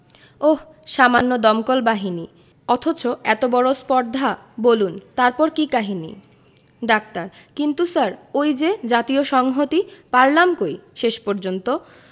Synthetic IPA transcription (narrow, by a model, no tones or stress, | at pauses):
oh | ʃamanːod̪ɔmkolbaɦini | ɔt̪ʰot͡ɕoɛt̪obɔɾospɔɾd̪ʱa | bolunt̪aɾpɔɾkikaɦinḭ | ɖak̚t̪aɾ | kint̪usaɾojd͡ʑed͡ʑat̪ioʃɔŋɦot̪ipaɾlamkojʃeʃpoɾd͡ʑont̪o